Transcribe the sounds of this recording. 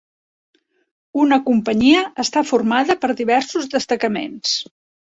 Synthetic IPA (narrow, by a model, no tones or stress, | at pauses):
unəkumpəɲiəəst̪afurmaðəpəɾðiβɛɾsuzðəst̪əkəmḛns